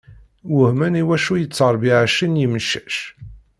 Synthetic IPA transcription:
wʊhmæniwæʃujət͡sːəɾˤbiʕaʃinjiməʃæ̥ʃ

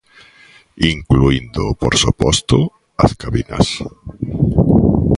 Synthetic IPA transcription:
iŋkluind̪ʊpoɾsupɔst̪ʊ | askaβina̰s

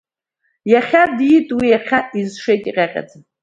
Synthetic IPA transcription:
jaχʲadjitʼwijaχʲaizʂejtʼiqʲʼaqʲʼa̰d͡zɨ

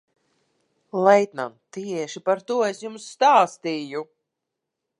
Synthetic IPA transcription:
lˠɛjt̪na̰nt̪iɛʃipaɾt̪uɔesjumsːt̪aːst̪iːju

